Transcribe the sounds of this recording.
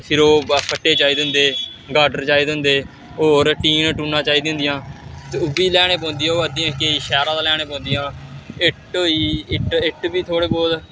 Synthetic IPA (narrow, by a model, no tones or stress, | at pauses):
pʰɪɾoːkʰəʈːeːt͡ʃaːiːd̪ɪnd̪eː | ɡaːɖəɾt͡ʃaːiːd̪ɪnd̪eː | oːɾʈiːnʈuːnːãːt͡ʃaːiːd̪ɪ̃nd̪ɪjãːt̪eʊbiːlɛːɽ̃eːpɔ̃ːnd̪ijãːoːət̪ijãːkeiːʃɛːɾãːd̪aːlɛːɽ̃eːpɔ̃ːnd̪ɪjãːɪʈoːiːɪʈɪʈbiːt̪ʰoːɽeːbɔːd̪